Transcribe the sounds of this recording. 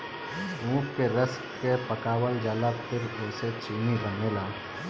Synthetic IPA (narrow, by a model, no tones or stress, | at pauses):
ũːpkeɾəs | kepəkaːwəld͡ʒaːlapʰɪɾɛːset͡ʃiːniɾʱəmeːlaː